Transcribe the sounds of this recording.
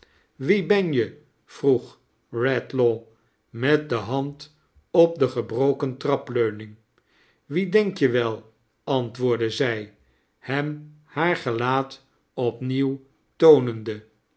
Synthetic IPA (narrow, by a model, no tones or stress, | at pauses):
ʋibɛnjə | v̥ruχ | rɛtlo | mɛt̚dəɦɑnt | ɔp̚dəχəbrowkəntrɑpløɥnɪŋ | ʋidɛŋkjəʋɛlˠ | ɑntʋʊːɹdəzɛj | hɛm | haːɹχəlaːt | ɔpniw | townəndə